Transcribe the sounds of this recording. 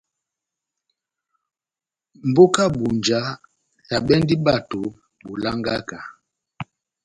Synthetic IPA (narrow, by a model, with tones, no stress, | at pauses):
m̩˨bo˦ka˦bu˨nd͡ʒa˦ | sa˨bɛ˦ndi˦ba˦˨to˨ | bu˨la˦ŋɡa˦ka˨